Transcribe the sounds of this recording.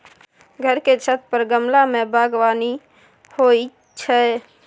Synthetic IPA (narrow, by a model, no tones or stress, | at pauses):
ɡʱəɾket͡ʃʰət̪̚ʰpəɾɡəmlamẽbʱaɡwaːni | hoi | t͡ʃʰɛ